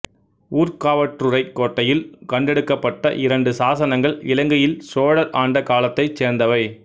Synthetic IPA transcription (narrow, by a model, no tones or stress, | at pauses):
uːɾkaːʋɐʈrɯrɐɪkːoːʈːɐjɪlkɐɳɖɛɽɯkːɐpːɐʈːɐʔɪɾɐɳɖɯsaːsɐnɐŋɡɐɭɪlɐŋɡɐjɪlsoːɽɐɾaːɳɖɐkaːlɐt̪ːɐɪt͡ʃːeːɾnd̪ɐʋɐɪ